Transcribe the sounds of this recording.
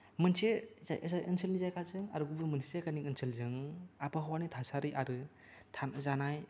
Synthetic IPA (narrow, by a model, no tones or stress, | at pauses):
mɯnsezajʔsaʔɯnsʰɯlnizajkʰazɯŋaɾɯɡubɯmɯnsʰizajkanikɯnsʰɯlzɯŋapʰɯɦawanitʰasaɾɯjʔaɾɯ | tʰanzanaj